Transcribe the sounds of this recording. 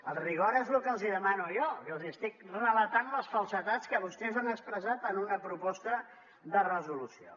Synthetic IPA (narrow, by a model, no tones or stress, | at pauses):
əlˠriɣ̞ɔɾezlukəlˠziðəmanujɔkəlˠziəst̪ik̚rələt̪anləsfəlˠsət̪at͡skəβust̪ɛzanəkspɾəzat̪ənunəpɾupɔst̪ə | ðərəzulusio̰